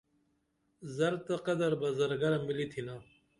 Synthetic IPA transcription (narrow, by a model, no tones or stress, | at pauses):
zɐɾt̪ɐqɐd̪ɐɾbɐzɐɾɡɐɾamilit̪ʰina